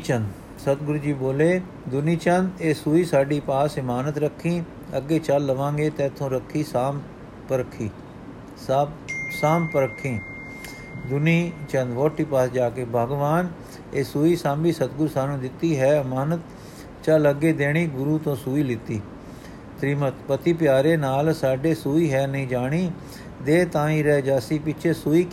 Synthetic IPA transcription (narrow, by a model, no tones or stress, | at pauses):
t͡ʃənd̪ | sət̪ɡʊɾuːd͡ʒiːboːleː | d̪ʊniːt͡ʃənd̪eːsuːiːsaːɖiːpaːsɪmaːnət̪ɾəkʰːĩː | əɡːeːt͡ʃəlːəʋãːŋɡeːt̪ɛ̃ːt̪ʰːõːɾəkʰːiːsaːm | pəɾəkʰːiː | saːmpəɾəkʰːĩː | d̪ʊniːt͡ʃənd̪ʋoːʈʰːiːpaːsd͡ʒaːkeːbʱəːɡʋaːn | eːsuːiːsãːmbiːsət̪̚ɡʊɾsaːnũːd̪ɪt̪ːiːɦɛːəmaːnət̪ | t͡ʃaːləɡeːd̪eːɽ̃iːɡʊɾuːt̪õːsuːiːlɪt̪iː | t̪ɾiːmət̪pət̪iːpjaːɾeːnaːlsaːɖeːsuːiːɦɛːnəɦĩːd͡ʒaːɽ̃iː | d̪eːt̪ãːĩːɾɛːd͡ʒaːsiːpɪt͡ʃʰeːsuːiːk